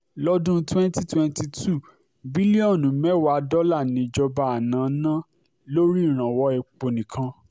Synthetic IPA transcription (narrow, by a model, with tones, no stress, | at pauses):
lɔ˦dũ˦twɛ̃˦n˦ti˦twɛ̃˦n˦ti˧tʰu˦˨ | bi˦li˦ɔ̃˦˨nũ˨mɛ˦wa˨˦dɔ˦la˦˨nĩ˧d͡ʒɔ˧ba˧a˨nã˨˦nã˦ | lo˦ɾi˦˨ɾ̃ã˨wɔ˧˦ɛ˧k͡po˧nĩ˨kʰã˧˦